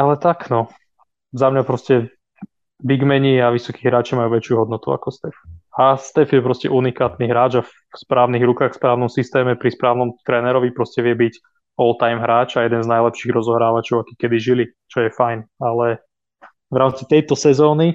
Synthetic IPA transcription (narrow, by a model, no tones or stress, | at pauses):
alɛt̪aknɔ | zamɲapɾɔscɛ | biɡmɛɲiaʋisɔkiːɦɾaːt͡ʃimajuʋɛt͡ʃuɦɔd̪nɔt̪ua̰kɔst̪ɛfast̪ɛfjɛpɾɔscɛ̰ʔunikaːt̪niɦɾaːd͡ʒaf | spɾʔaːʊniɣɾukaːxfspɾaːʊnɔmsist̪ɛːmɛpɾispɾaːʊnɔmt̪ɾɛːnɛɾɔʋipɾɔscɛʋɪɛbic | ɔlˠt̪ajmɦɾaːt͡ʃajɛd̪ɛnznajlɛpʃiɣɾɔzɔɦɾaːʋat͡ʃɔʊaki̥kɛd̪iʒili | t͡ʃɔjɛfajnalɛ | ʋɾaːmt͡sit̪ɛjt̪ɔsɛzɔːni